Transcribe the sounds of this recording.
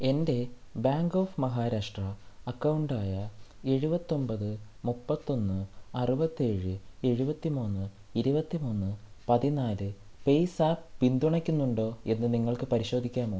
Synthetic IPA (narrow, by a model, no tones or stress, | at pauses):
e̞nde̞baːŋɡo̞ːfmɐɦaːɾaːʂʈrɐɐkːɐwɳɖaːjɐe̞ɻubɐt̪ːo̞mbɐðɨ | mupːɐt̪ːo̞nːɨɐrubɐt̪ːie̞ːɻɨe̞ɻubɐt̪ːimuːnːɨ | iɾubɐt̪ːimuːnːɨpɐðinaːlɨ | pe̞jsaːppind̪uɳɐkʲːunːuɳɖo̞ːe̞nːɨniŋːɐɭkɨpɐɾiɕo̞ːd̪ʱikʲːaːmo